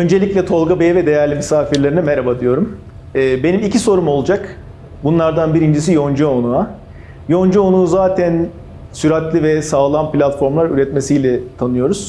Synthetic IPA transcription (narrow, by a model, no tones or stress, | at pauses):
ø̞nd͡ʒe̞lʲiclʲɛt̪ʰo̞lˠɡabejvɛd̪e̞jæɾlʲimisaːfiɾlʲeɾinɛmeɾabad̪ijo̞ɾum | ɛːbe̞nimiciso̞ɾumo̞lˠud͡ʒak | bunlˠaɾd̪anbiɾind͡ʒis̬ijo̞nd͡ʒuonua | jond͡ʒuonuzaːt̪ʰæn | syɾat̪lʲivɛsaːlˠanplʲat̪fo̞ɾmlˠaɾyɾɛt̪me̞sijlʲɛt̪ʰanɯjo̞ɾuz̥